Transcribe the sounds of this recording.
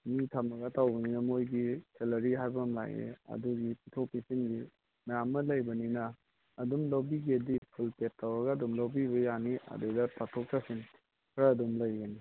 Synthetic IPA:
mitʰamɐɡɐtʰawbɐninɐmojɡiselɐɾiɦajbɐmla̰ɡḛɐ̰duɡipitʰopisinɡi | mɐjamːɐlɐjbɐninɐː | dumlowbiɡiɐdipʰulpet̚ʰːawɐɡɐɐdumlowbiβɐjaniʔɐ̰dudɐpatʰok̚tʰasiŋ | kʰɾaːdumlɐjɡɐni

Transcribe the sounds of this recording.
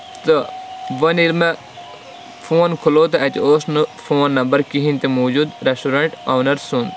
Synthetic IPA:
t̪ɐʋɐnilmɐ | foːnkʰuloːt̪ɐt̪ioːsnɨfoːnːɐmbɐɾkiɦĩnt̪imoːd͡ʒud̪ɾesʈuɾɐɳʈawnɐɾsun

